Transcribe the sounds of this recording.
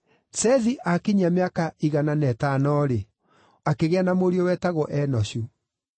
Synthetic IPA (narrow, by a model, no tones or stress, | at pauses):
sɛðiʔakiɲameakaiɣananɛtanɔɾe | akeɣeanamoɾiɔwɛtaɣɔʔɛnɔɕu